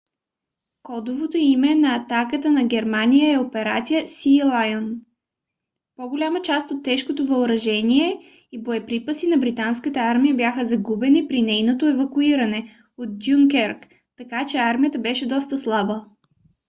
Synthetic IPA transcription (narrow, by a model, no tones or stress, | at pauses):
kɔd̪ovot̪oimɛnɐːt̪akət̪ənɐɡʲɛɾmanijəɛopɛɾat̪sijəsilˠajon | poɡolʲamət͡ʃast̪ot̪ːɛʃkot̪ovɐʊɾɐʒɛniɛ | iboɛpɾipəsinɐbɾit̪anskət̪əaɾmijəbjaxəzɐɡubɛnipɾinɛjnot̪oɛvɐkuiɾɐnɛ | ot̪̚d̪ʲjuŋkɛɾk | t̪ɐkat͡ʃɛaɾmijət̪əbɛʃɛd̪ɔst̪əslˠabə